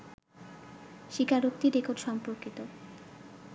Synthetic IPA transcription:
ʃikʰaɾok̚t̪iɾekoɾɖʃɔmpoɾkit̪o

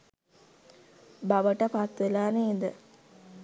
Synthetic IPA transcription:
baʋəʈəpat̪ʋelaːneid̪ə

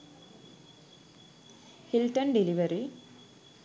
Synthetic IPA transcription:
hilʈənɖiliʋəɾi

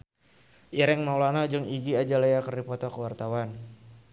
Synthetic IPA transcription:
ʔiɾɛŋmaulanad͡ʒʊŋiɡiad͡ʒalajakərdipɔt̪ɔkəwart̪awan

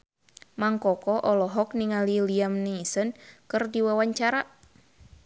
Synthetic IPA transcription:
maŋkɔkɔʔɔlɔɦɔkniŋaliliamniisɔnkɨrdiwawaɲt͡ʃaɾa

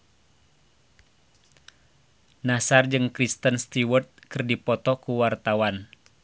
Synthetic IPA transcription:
nasard͡ʒɨŋkɾist̪ənst̪iwərt̪̚kɨrdipɔt̪ɔkuwart̪awan

